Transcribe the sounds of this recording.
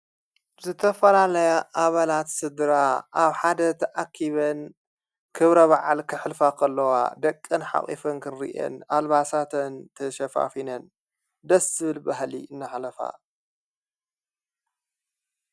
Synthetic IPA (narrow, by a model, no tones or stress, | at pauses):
zɨt̪ʰɐfɐlalɐjaʔaβalat̪sɨd̪ɾaʔaβħad̪ɐt̪ʰɐʔakʰːiβɐn | kʰɨβɾɐβaʕalkʰɨħɨlfakʰɐlːɐwa̰d̪ɐkʼːɨnħa̰χʼḭfɐnkʰɨnɾḭʔɐ̰nalβasat̪ʰɐnt̪ʰɐʃɐfa̰finɐn | d̪ɐszɨβɨlbaɦlḭʔɨnːaħlɐfa̰